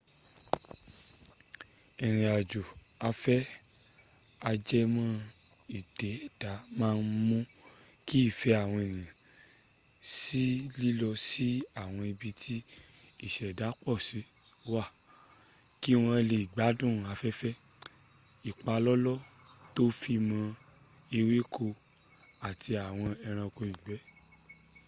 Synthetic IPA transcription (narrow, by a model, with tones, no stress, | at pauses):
ɛ̃˨ɾ̃ĩ˨a˨d͡ʒo˨a˧fɛ˦ | a˧d͡ʒɛ˦mã˦ | i˨d̥ɛ˨˦ɛ˦˨d̥a˨˦mãː˦˧n̩˦mũ˦ | ki˦˨fɛ˨˦a˦˨w̃ɔ̃˧e˨nĩ˨ã˨ | si˦li˦lɔ˧si˦a˦˨w̃ɔ̃˧i˧bi˧tʰi˦i˦˨ʃɛ˨da˨˦k͡pɔ˦˨si˨˦ | wa˦˨ | ki˦w̃ɔ̃˧le˨ɡ͡ba˨˦dũ˦˨a˨˦fɛ˦fɛ˦ | i˨k͡pa˧lɔ˦lɔ˦to˦fi˧mã˧e˧we˦kʰo˧ | a˨ti˧a˨w̃ɔ̃˧ɛ˧ɾ̃ã˧ko˧ĩ˨ɡ͡bɛ˨˦